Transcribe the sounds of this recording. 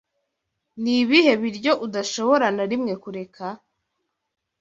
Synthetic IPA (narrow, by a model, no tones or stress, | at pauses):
niβihe̞βiɾɟo̞ʔudaʃo̞βo̞ɾanaɾimŋe̞kuɾe̞kʰa